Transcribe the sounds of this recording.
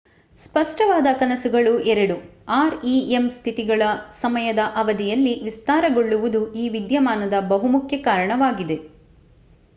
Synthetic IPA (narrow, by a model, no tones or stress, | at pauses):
spɐʂʈɐʋaːd̪ɐkɐnɐsuɡɐɭuʔɛɾɐɽuaːɾiemst̪ʰit̪iɡɐɭɐsɐmɐjɐd̪ɐʔɐʋɐd̪ijɐlːiʋist̪aːɾɐɡo̞ɭːuʋud̪uiːʋid̪jɐmaːnɐd̪ɐbɐɦumukʰjɐkaːɾɐɳɐʋaːɡid̪e̞